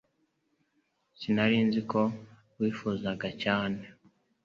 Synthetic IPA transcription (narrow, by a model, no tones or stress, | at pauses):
sinaɾiːnziko̞ | wiːfuzaɡacaːne̞